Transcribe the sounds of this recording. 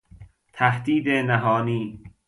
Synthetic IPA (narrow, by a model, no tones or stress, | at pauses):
t̪ʰæhd̪iːd̪enæɦɒːniː